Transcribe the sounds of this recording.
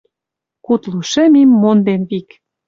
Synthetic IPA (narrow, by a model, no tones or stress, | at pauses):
kut̪luʃĕmimːond̪enβik